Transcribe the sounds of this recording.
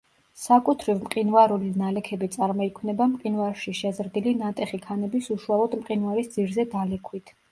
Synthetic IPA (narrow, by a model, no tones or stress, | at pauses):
sakʼut̪ʰɾivmqʼinvaɾulinalɛkʰɛbit̪sʼaɾmɔikʰnɛbamqʼinvaɾʃiʃɛzɾd̪ilinat̪ʼɛχikʰanɛbisuʃualˠɔd̪mqʼinvaɾisd̪ziɾzɛd̪alɛkʰwit̪ʰ